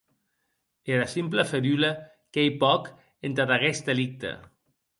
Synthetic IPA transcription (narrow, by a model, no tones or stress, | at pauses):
eɾasimplefeɾyla | kejpɔk | ent̪aðaɣesd̪elik̚t̪ḛ